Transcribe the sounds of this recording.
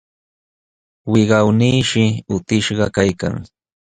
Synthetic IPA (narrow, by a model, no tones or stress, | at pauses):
wɪɢɑwniːʃɪʊt̪ɪʃɢɑkajka̰ŋ